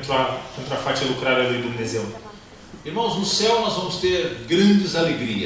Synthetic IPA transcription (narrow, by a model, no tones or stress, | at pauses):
t̪ɾakõnt̪ɾɐfajt͡ʃɐlˠukɾaɾɐlẽd̪umnezẽw̃ | iɾmɐ̃w̃znʊsɛwnɔzvɐ̃mʊst̪eɾɡɾɐ̃nd̪ɪzaleɡɾiɐ